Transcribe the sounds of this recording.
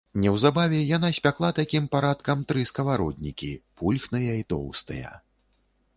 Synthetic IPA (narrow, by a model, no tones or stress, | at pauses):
nʲɛwzabavʲɛjan̪asʲpʲaklˠat̪akʲimpaɾat̪kɐmt̪ɾɨskɐvaɾɔd̪ʲnʲikʲipulʲxnɨjɐit̪ɔ̰wst̪ɐ̰jɐ̰